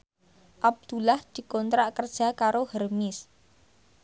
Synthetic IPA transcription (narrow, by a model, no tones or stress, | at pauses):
ʔab̚d̪̥ulahd̪̥i̤kɔnt̪ɾaʔkərd̥ʒ̥a̤kaɾohərmɪs